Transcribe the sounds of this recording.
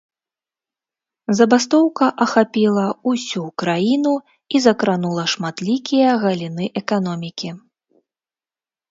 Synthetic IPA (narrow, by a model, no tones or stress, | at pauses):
zɐbast̪ɔwkɐʔɐxapʲilˠɐusʲukɾajinu | izɐkɾanulˠɐʂmat̪lʲikʲijɐɣɐlʲin̪ɨʔɛkan̪ɔmʲikʲi